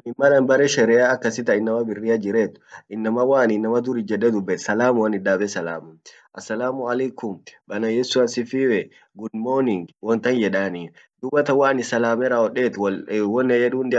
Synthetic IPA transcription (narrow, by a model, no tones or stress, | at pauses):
ɪmːɐlɐnbɐɾɛʃɛɾɛaːɐkːɐsɪt̪ɐɪnːɐmɐbɪrːɪjad͡ʒɪɾeːt̪ʊ̥ʔɪnːɐmɐwaːnɪnːɐmɐd̪ʊɾɪd͡ʒɛᶑɛd̪ʊbːɛt̪sɐlaːmʊwɐnɪᶑaːbɛsɐla̰ːmʊ | ʔɐsːɐlaːmʊɐlɐjkʊmbɐnɐjɛsʊɐsɪfiːwɛ | ɡʊnmoːnɪŋwɔnt̪ɐnjɛᶑaːniːn | d̪ʊbɐt̪ɐwaːnɪsɐlaːmɛɾaːɔᶑeːt̪wɔnːɛjɛᶑuːnd̪ɪ